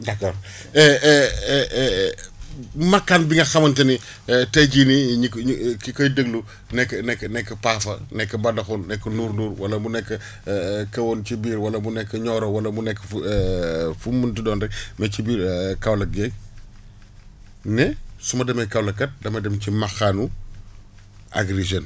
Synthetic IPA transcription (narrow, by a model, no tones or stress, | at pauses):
dɐkːɔːɾ | ɛ | mɐkːanbiŋɡɐxɐmɐntɐni | tɛɟiniɲikkikɔjdəɡlu | nɛkːnɛkːənɛkːɐpafɐ̰nɛkːɐbɐdɐxunːɛkːɐnuːɾnuːɾwɐlɐmunɛkːɐ | kɐwɔncibiːɾwɐlɐmunɛkːɐɲɔːɾɔwɐlɐmunɛkːəf | fumuntidɔːndɐkmɛcibiːɾkawlɐɡɛŋ | nɛsumɐdɐmɐjkɐwlɐkɐt̚dɐmɐdɛmcimɐxanu | ʔa̰ɡɾeʒɐn